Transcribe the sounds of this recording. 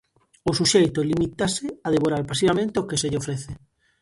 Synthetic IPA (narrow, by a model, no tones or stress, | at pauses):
osuʃejt̪olimit̪aseaðeβoɾaɾpas̬iβamẽnt̪eokeseʎeofɾeθe